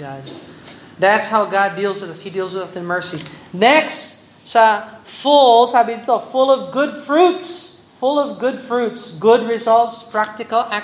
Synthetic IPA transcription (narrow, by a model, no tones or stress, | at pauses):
ðætshaʊɡɑdilˠzwɨðʌshidilˠzwɨðʌθɨ̃nmɜ˞sinɛks | safʊlˠsabitəfʊlˠʌvɡʊdfɹuts | fʊlˠʌvɡʊdfɹutsɡʊd̚ɹɨzʌlˠtspʰɹ̥æk̚tɨkəlˠæ